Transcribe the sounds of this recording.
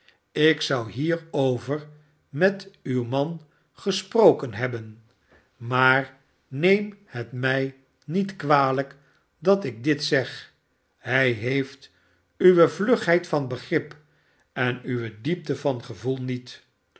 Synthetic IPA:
ɪksʌwɦiːɹowvər | mɛtywmɑn | χəsprowkənɦɛbən | maːr | nejmhətmɛj | nitkʋaːlək | dɑtɪɡ̚dɪtsɛχ | hɛjɦejft | yʋəvlɵχɦɛjtfɑnbəχrɪp | ɛnyʋədip̚təvɑnχəvulˠnit

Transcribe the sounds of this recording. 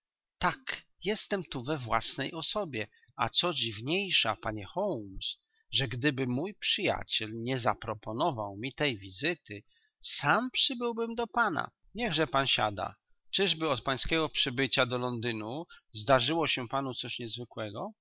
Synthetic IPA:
t̪akjɛst̪ɛmt̪uvɛvwa̰snɛjʔɔsɔbʲjɛ | a̰t̪sɔd͡ʑivɲejʂapaɲɛxɔwms | ʐɛɡd̪ɘbɘmujpʂɘja̰t͡ɕɛlɲɛzapɾɔpɔnɔvawmʲit̪ɛjvʲizɘt̪ɘ | sampʂɘbɘwbɘmd̪ɔpana̰ | ɲɛɣʐɛpanɕa̰d̪a̰ | t͡ʂɘʐbɘɔt̪̚paj̃skʲɛɡɔpʂɘbɘt͡ɕad̪ɔlɔnd̪ɘnuzd̪aʐɘwɔɕɛpanut̪sɔɕɲɛzvɘkwɛɡɔ

